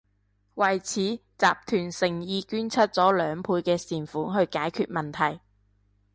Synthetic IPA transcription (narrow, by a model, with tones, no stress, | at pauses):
wɐ˨˩jt͡sʰiː˨˥t͡saː˨p̚t̪ʰyː˨˩nsɪ˨˩ŋjiː˧kyː˥nt͡sʰɐ˥t̚t͡sɔː˨˥lœː˨˧ŋpʰuː˧jkɛː˧siː˨˩nfuː˨˥nɦɵ˧ɥkaː˨˥jkʰy̰ː˧t̚mɐ˨nt̪ʰɐ˨˩j